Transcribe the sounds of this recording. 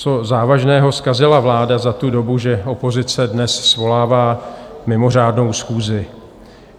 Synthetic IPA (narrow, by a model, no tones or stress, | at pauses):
t͡so̞zaːvaʒnɛːɦo̞skazɪlavlaːdazat̪udo̞buʒɛʔo̞po̞zɪt͡sɛdnɛssvo̞laːvaːmɪmo̞r̝aːdno̞wsxuːzɪ